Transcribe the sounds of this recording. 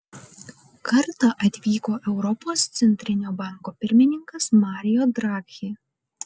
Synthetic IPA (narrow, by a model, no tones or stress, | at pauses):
kɐɾt̪ɑʔɐt̪ʲʋʲiːkoːʔɛʊɾɔpoːst̪sʲɛnʲt̪ʲɾʲɪnʲoːbɑŋkoːpʲɪɾʲmʲɪnʲɪŋkɐsmɑːɾʲɪjoːd̪ɾɑːkʲxʲiː